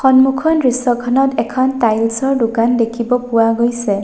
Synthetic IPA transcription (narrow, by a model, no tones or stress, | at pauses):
xɔnmukʰɔnɹisɔkʰɔnɔtɛkʰɔntajlsɔɹdukandekʰibɔpuwaɡojsɛ